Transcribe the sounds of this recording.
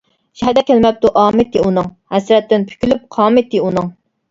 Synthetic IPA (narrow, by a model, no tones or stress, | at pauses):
ʃɛd̪ɛkʲʰælmɛp̚t̪uʔɑːmɪt̪ːiunɨŋhɛsɾɛt̪ːɪnpʰy̥kʲylyp̚qʰɑːmɪt̪ːɪunɨŋ